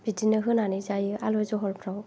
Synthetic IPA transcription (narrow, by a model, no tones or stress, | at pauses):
b̥idinɯɦɯnanizajɯʔalɔzɔɦɔlpʰɾaw